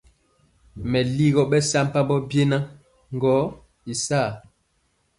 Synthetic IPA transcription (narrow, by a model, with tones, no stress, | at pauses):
mɛ˨li˦ɣɔ˦ɓɛ˦sa˦m˦pa˦bɔ˦bje˦na˦ | ŋ̩˦ɡɔ˨˦ | i˨saː˦˨